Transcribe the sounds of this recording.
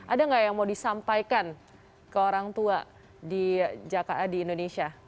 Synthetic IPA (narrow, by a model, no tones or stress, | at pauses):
ʔadaŋɡaʔjaŋmaudisampajkan | kəoɾaŋt̪ua | did͡ʒakaʔadiːndonesia